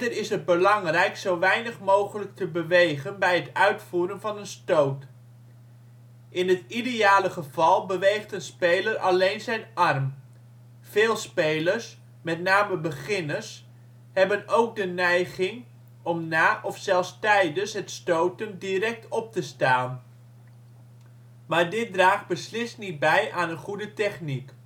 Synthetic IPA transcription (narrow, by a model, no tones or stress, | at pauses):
dərɪsɦət̚bəlɑŋrɛjksowʋɛjnəχmowχələk̚təbəʋejχənbɛjɦətœɥtfuːɾənvɑnənstowt | ʔɪnɦətidejaːləχəv̥ɑlˠbəʋejχtənspejləɾʔɑlejnzɛjnɑrm | v̥eːlˠspejləɹs | mɛtnaːməbəχɪnəs | hɛbənowk̚dənɛjɣɪŋ | ɔmnaːʔɔfsɛlˠstɛjdənsɦətstowtəndirɛk̚tʰɔp̚təstaːn | maːɹdɪt̚draːχbəslɪstnit̚bɛjʔaːnənχudətɛχnik